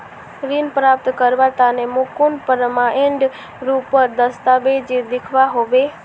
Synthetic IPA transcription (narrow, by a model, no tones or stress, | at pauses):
ɾinpɾap̚t̪kəɾʋat̪anemukunpəɾmãʔeɳɖ | ɾupəɾd̪əst̪abed͡ʒid̪ikʰʋaɦoʋe